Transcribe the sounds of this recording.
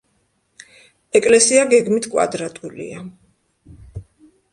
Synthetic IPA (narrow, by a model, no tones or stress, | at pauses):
ɛkʼlɛsiaɡɛɡmit̪ʰkʼwa̰d̪ɾat̪ʼulḭa